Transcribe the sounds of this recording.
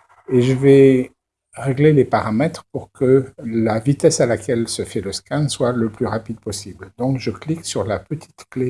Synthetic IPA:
eʒəvɛ | ʁeɡlelepaʁamɛt̪χpuʁkəlavit̪ɛsalakʲɛlsəfɛləskanswaləplyʁapid̪̚pɔsibld̪ɔ̃kʒəkliksyʁlapət̪ʰi̥t̪kle

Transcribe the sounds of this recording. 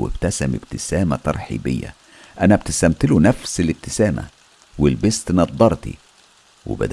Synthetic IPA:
wḛb̥t̪æsæmɪb̥t̪ɪsæːmæt̪ɑ̰ɾˤħḭːbejːæ̰ | ʔænæbt̪ɪst̪æmt̪ɪlunæfsɪlɪb̚t̪ɪsæːmæ̰ | wɪlbest̪nɑd̪ˤːɑɾˤt̪ḭ | wɪ̰bæ̰d̪

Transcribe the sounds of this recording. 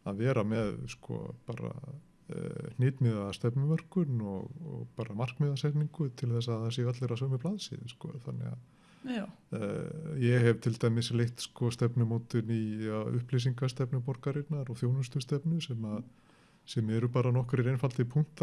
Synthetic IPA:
aðvɛːɾamɛðskɔ̰paːɾa̰ | n̥ɪːt̪mɪðast̪ɛpnʏvœr̥kʏnɔɣɔ̰ɣpaːɾamar̥kmɪðasɛhpniŋkʏt̪ʰɪlθɛsːaɛsɛat̪lɛɾasœːmʏplaðsɪ̰ðɪskɔ̰θanːɪ̰ɣa̰ð | jɛɦɛvt̪ʰɪlt̪aːjmɪslejht̪skɔst̪ɛpnʏmoːt̪ʏniaʏ̰hplis̬iŋkast̪ɛpnʏpɔɾkaɾɪt̪naɾɔθjoːwnʏst̪ʏst̪ɛpnʏsɛmːa | sɛmɛɾʏpaːɾanɔhkɾiɾejnfalt̪ɪpʰuŋ̥t̪

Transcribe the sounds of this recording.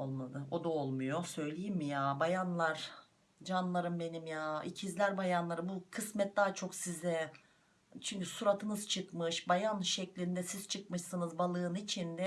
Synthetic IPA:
olˠmad̪ˠɯo̞d̪aolˠmujo̞sø̞jlʲejimmijaːbajanlˠaɾ̥ | d͡ʒanlˠaɾɯmbe̞nimjaːḭcʰizlʲæɾbajanlˠaɾɯmbukʰɯsmɛt̪̚d̪aːat͡ʃʰo̞ksizɛ | t͡ʃʰyɲcysuɾat̪ʰɯnɯz̥t͡ʃʰɯkmɯʃbajanʃɛclʲind̪ɛsiz̥t͡ʃʰɯk̚mɯʃsɯnɯzbalˠɯːnit͡ʃʰind̪ɛ

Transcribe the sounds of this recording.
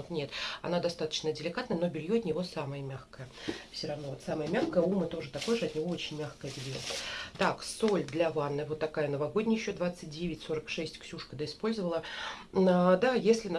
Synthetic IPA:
ot̪nʲe̞t̪ɐ̰nad̪ɐst̪at̪ə̥t͡ɕnədʲɪlʲɪkat̪nəjənobʲɪlʲjoɐt̪nʲɪvo̞saməjəmʲaxkəjəfsʲoɾɐvno̞vo̞t̪saməjəmʲaxkəjəumət̪o̞ʐɨt̪ako̞jʐɨɐt̪nʲɪvo̞o̞t͡ɕɪnʲmʲaxkəjəbʲɪlʲjo̰t̪aksolʲd̪lʲɐvanːɨvot̪ːɐkajənəvaɡo̞dʲnʲɪjɪɕːod̪vat̪sɨt̚ʲdʲevʲɪtʲso̞ɾəkʂɛsʲtʲksʲuʂkəd̪əɪspo̞lʲzəvəlˠəəd̪ajesʲlʲɪn

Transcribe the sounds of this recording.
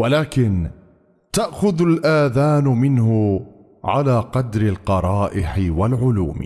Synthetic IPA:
walaːkɪn | t̪aʔxʊðalʔaːðaːnʊmɪnhʊ | ʕa̰laːqɑd̪ɾɪlqɑɾˤɑːʔɪħɪwalʕʊlṵːm

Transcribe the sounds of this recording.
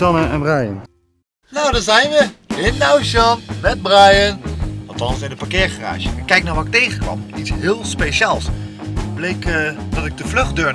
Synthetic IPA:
ɑnəɛnbrajə̰n | nawdɑzɛjnʋəɪnːawʃɑnmɛd̚brajənɑlˠtɑnsɪnət̚paɹkɪːɹχəra̰ːʒə̰ɛkːɛjk̚naːɹʋatɪk̚tejχəkʋɑ̰mitsɦɪːlˠspeʃaːlˠsblejkdɑtɪɡ̚dəvlɵχdøːɹ

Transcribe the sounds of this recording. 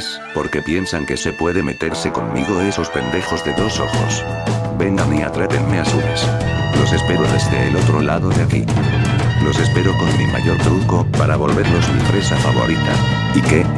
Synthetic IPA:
s | po̞ɾke̞pje̞nsaŋke̞se̞pwe̞ðe̞me̞t̪e̞ɾse̞ko̞mːiɣ̞o̞e̞so̞spe̞nd̪e̞xo̞zðe̞ðo̞so̞̰xo̰sbe̞ŋɡania̰t̪ɾepe̞nme̞asuleslo̞se̞spe̞ɾo̞ðe̞zðe̞ːlo̞t̪ɾo̞laðo̞ðeakḭ | lo̞se̞spe̞ɾo̞ko̞nmimʔa̰ʝo̞ɾt̪ɾuko̞paɾaβo̞lβe̞ɾlo̞zmipɾe̞safaβo̞̰ɾit̪a̰ | ike̞

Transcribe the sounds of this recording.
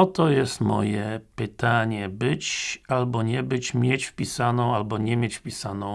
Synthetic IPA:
ɔt̪ɔjɛst̪mɔ̰jɛpɪt̪aɲɛbɪt͡ɕalbɔɲɛbɨd͡ʑmjɛt͡ɕfpʲisanɔ̃walbɔɲɛmʲjɛcfpʲisanɔ̃w

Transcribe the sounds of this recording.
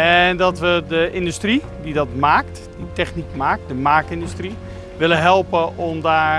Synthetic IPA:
ɛndɔtʋədəʔɪndystri | didɔtmaːkt | ditɛxnikmaːk̚tdəmaːk̚ɪndystri | ʋɪləɦɛlˠpəɔmdaː

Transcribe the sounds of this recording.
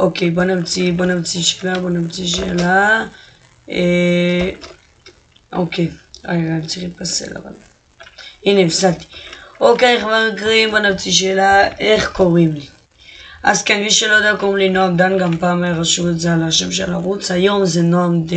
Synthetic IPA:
ʔokejbonamt͡sibonavt͡siʃe̥labonavt͡siʃ̬eela | e | o̰kʰejamt͡siχit̪̚pasḛla̰va̰l | inefsakt̪i̥ʔokejeχvaʁikʁimbonavt͡siʃ̬eːlaeχkoʁimli | ʔazkenmiʃelojod̪eakoʁimlinoamd̪anɡampaːmajaʁaʃuetzealaʃemʃelaʁut͡shajo̞mzenoamd̪

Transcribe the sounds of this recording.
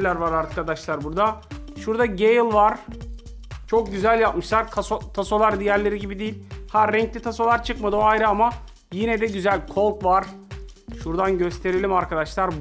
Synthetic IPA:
lʲæɾvaɾaɾkad̪aʃlˠaɾbuɾd̪a | ʃuɾd̪aɟejlˠvaɾ̥ | t͡ʃʰo̞k̚ɟyzælʲjapmɯʃlˠaɾkʰasot̪ʰaso̞lˠaɾd̪ijæɾlʲe̞ɾiɟibid̪ijilʲhaɾɛɲclʲit̪ʰaso̞lˠaɾt͡ʃʰɯkmad̪ɯoajɾɯama | jinɛd̪ɛɟyzælʲkʰo̞lˠt̪vaɾ̥ʃuɾd̪anɟø̞st̪ʰe̞ɾelʲimaɾkʰad̪aʃlˠaɾ

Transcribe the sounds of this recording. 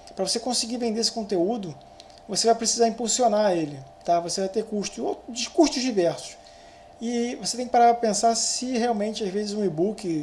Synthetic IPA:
pɾɐvosekõsiɡiɾvẽnd̪eesɪ̥kõnt̪eud̪ʊ | vosevajpɾesizaɾĩmpusionaelɪt̪avosevajt̪ekuʃt̪ʊod͡ʒɪʃkuʃt̪ʊʒd͡ʒivɛɾsʊ̥ʃ | ɪvoset̪ẽj̃kɪpaɾapẽsasɪheawmẽnt͡ʃɪazvezɪzũibukɪ

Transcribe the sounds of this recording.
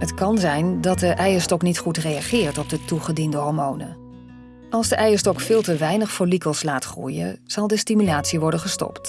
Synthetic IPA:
ɦətkɑnzɛjndɑt̚dəʔɛjəstɔknitχutrejɑχɪːɹtɔb̚dətuχədindəɦɔɹmownə̰ | ɑlˠzdəʔɛjəɹstɔkfɪːlˠtəʋɛjnəχfolikəlˠslaːtχrṵjə̰z̥ɑlˠdəstimylaːtsiʋɔɹdənχəstɔ̰pt

